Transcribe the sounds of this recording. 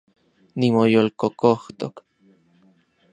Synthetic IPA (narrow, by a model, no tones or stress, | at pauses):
nimojolkokoht̪o̰k